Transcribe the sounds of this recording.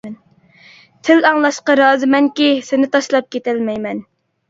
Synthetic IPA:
n | t̪ʰɪlɑŋlˠɑʃqɑɾɑːzɨmɛŋkʲisɪnɪt̪ʰɑʃlˠɑp̚kʲet̪ɛlmɛjmɛn

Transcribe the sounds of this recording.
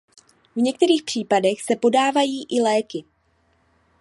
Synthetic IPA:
vɲɛk̚t̪ɛɾiːxpr̝̥iːpadɛxsɛpo̞daːvajiːʔɪlɛːkɪ

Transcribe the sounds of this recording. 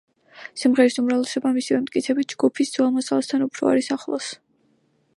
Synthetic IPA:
simʁɛɾisumɾavlɛsɔbamisivɛmt̪ʼkʼit̪sʰɛbit̪̚d͡ʒɡupʰisd̪zwalˠmɔsalˠst̪ʰanupʰɾɔ̰a̰ɾisaχlˠɔ̰s

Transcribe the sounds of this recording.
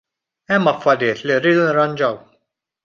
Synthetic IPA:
ɛmːɐfːɐɾjɪːt̪liɾːiːd̪unɾːɐnd͡ʒɐw

